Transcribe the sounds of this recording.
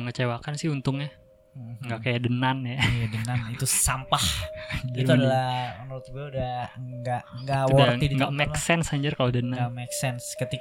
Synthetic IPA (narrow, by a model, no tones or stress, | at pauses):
ŋət͡ʃewakansɪhunt̪ʊŋɲa | ŋɡaʔkajadənanjajadənanit̪usampahiuadalahɔnəɾt̪bɛudaɡaŋɡawɔdaidiŋɡaʔmɛkksɛnshaɲd͡ʒarkalodənanamɛksɛnskət̪i